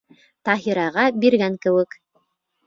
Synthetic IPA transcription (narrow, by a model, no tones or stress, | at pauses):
t̪ɑɦiɾɑʁɑbiɾɡæŋkɘ̆wɘ̆k